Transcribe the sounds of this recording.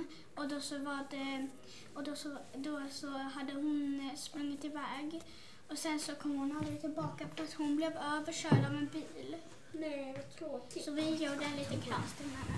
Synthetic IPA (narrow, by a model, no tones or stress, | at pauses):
ɔd̪ɔsɔvaɖɛ | ɔd̪ɔsɔd̪ɔsɔɦad̪ːəɦʊnspɾɵŋːɪt̪ɪvɛːɡ | ɔsɛnsɔkʰɔmːhʊnald̪ɾɪt̪ʰɪlbɑːkapʰɔat̪hʊnblevøːvəʂœːɖavɛnbiːl | nɛ | sɔvɪjuːɖɛliːt̪əkʰɾast̪ɪna